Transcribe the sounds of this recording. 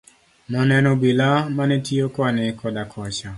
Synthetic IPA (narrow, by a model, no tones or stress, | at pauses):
nɔnɛnɔbilamanɛtiokɔnɛkʰɔdakʰɔt͡ʃa